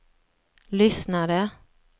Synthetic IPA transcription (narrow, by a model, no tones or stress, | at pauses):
lʏsnad̪ə